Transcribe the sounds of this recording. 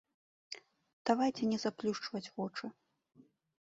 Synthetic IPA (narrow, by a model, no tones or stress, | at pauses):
d̪̥avajt͡sʲɛnʲɛzaplʲuʂt͡ʂvɐt͡sʲɣɔt͡ʂɐ